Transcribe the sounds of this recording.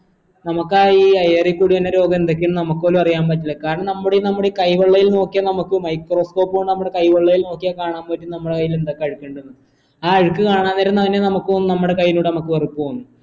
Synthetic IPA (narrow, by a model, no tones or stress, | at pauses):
nɐmɐkːaːiːɐjerikːuɽiʋɐnːɐɾo̞ːɡɐmed̪ok̬ʲːimnɐmukːɨolumɐrijaːmpɐt̬ːilːɐkaːɾɐɳɐmnɐmːuɽenɐmːuɽekɐjʋɐɭːɐjilno̞ːkːijɐnɐmukːɨmɐjkro̞ːsko̞ːpːoɳɖɨnɐmːɨɽe̞kɐjʋɐɭːɐjilno̞ːkːijakaːɳaːmpɐtːumnɐmːɨɽe̞kɐjːilend̪okːeɐɻɨkːeɳɖunːɨ | aːɐɻɨkːɨkaːɳaːnːeɾunːɐŋinːenɐmukːɨonːɨnɐmːɨɽe̞kɐjːinuːɽenɐmukːɨʋɐrukːuonːɨ